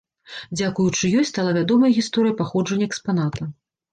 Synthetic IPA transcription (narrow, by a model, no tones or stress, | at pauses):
d͡zʲakujut͡ʂɨjɔsʲtʲst̪alˠavʲad̪ɔmɐjɣʲist̪ɔɾɨjɐpaxɔd͡ʐɐnʲːɐɛkspanat̪ʰɐ